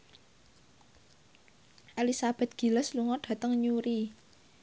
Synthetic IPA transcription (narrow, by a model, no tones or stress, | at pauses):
ʔelisab̥ɛ̤t̪̚ɡ̥i̤ləsluŋɔɖ̥ä̤t̪əŋɲuɾi